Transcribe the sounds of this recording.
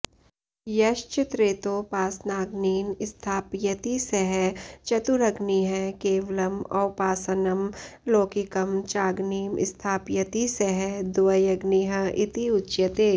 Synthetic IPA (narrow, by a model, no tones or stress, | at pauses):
jɐʃt͡ʃɪt̪ɾeːt̪opaːsnaːɡniːmɪst̪ʰaːpjɐt̪isɛɦɛt͡ʃɐt̪uɾɐɡniɦɛkeːʋlɐmɔːpaːsɐnɐmloːkikɐmt͡ʃaːɡniːmɪ̰st̪ʰaːpjɐt̪isɛɦɛd̪ʊʋɐjɐɡniɦɐɪt̪iʊtːt͡ʃʃjɐt̪eː